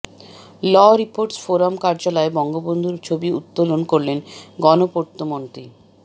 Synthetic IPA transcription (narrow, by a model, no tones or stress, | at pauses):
lɔɾipoɾʈsfoɾamkaɾd͡ʑalaebɔŋɡobond̪ʱuɾt͡ɕʰobiṵt̪ːolonkoɾlenɡɔnopoɾt̪ːomont̪ɾi